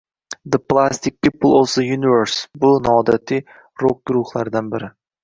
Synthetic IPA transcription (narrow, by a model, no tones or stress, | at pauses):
d̪əplˠast̪ʰɪk̚pʰipl̩ˠɔfd̪əjunɪvɛɾsbʊnɒɒd̪at̪ʰi | ɾok̚ɡ̥ʊɾʊhlˠaɾd̪anbɪɾɪ